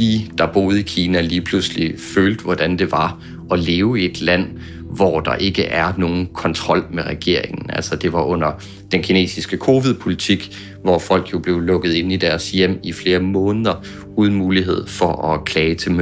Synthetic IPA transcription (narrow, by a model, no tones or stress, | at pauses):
id̥ɑ̈b̥o̝ːð̩ˠikʰiːnæliːpʰlusliføːld̥ʋɒd̥ænd̥e̝ʋɑ̈ | ɒ̽le̝ːʊe̝d̥læn̰ | ʋɒd̥ɑ̈ʔe̝ɡ̥əʔæɐno̝ːn̩kʰɒ̽nt͡sʰʁɒ̽l̰meʁɛɡ̥e̝ɐ̰e̝ŋn̩æ̰lsɒd̥e̝ʋɑ̈ʔɔ̽n̰ɐ | d̥enkʰine̝̰ːsisɡ̥əkʰo̝ːʋið̞ˠpʰo̝lit͡sʰiɡ̥ | ʋɒfɒ̽l̰ɡ̥jo̝b̥le̝ʊlɔ̽ɡ̥əð̞̩ˠe̝nid̥æɐsjem̰ifle̝ːɐmɔ̽ːnəðˠɐ | uːðˠn̩muːliɦe̝ð̞̰ˠfɒʔɒ̽kʰlɛːɪt͡sʰe̝m